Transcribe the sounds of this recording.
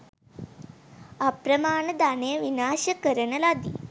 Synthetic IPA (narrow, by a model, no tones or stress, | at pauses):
ɐpɾɐmaːɳɐd̪aːneːʋinaːʃɐkəɾɐɳɐlad̪i